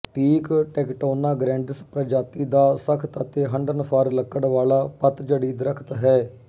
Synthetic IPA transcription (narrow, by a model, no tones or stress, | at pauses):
ʈʰiːkʈɛːkʈoːnaːɡɾɛ̃ːɳɖəspɾəd͡ʒaːt̪iːd̪aːsəkʰt̪ət̪eːɦəɳɖənpʰəɾləkːəɽʋaːlaːpət̪d͡ʒəɽiːd̪ɾəkʰt̪ɦɛː